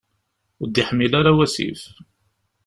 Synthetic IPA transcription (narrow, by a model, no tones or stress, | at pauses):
d̪ːiħəmːilaɾawæsḭf